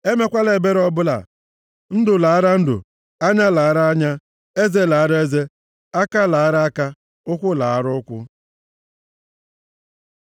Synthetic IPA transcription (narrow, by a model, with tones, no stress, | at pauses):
e˦me˦kʷa˦le˨be˦ɾɔ˦bʊ˦la̰˨ | n̩˦dʊ˨la˨a˦ɾa˦n̩˦dʊ̰˨ | a˦ɲa˦la˨a˦ɾa˦a˦ɲa˦ | e˦ze˦˨la˨a˦ɾe˦ze˦ | a˦ka˦la˨a˦ɾa˦a˦ka˦ | ʊ˦kʷʊ˦la˨a˦ɾʊ˦ʊ˦kʷʊ̰˦